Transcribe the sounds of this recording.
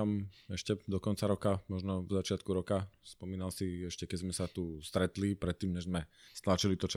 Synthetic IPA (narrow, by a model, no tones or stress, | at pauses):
mɛʃcɛd̪ɔkɔnt͡saɾɔkamɔʒnɔvzat͡ʃɪat̪kuɾɔkaspɔmiːnalsiɛʃcɛkɛzmɛsat̪ust̪ɾɛt̪lipɾɛt̪ːiːmɲɛʒzmɛst̪lat͡ʃilit̪ɔt͡ʃa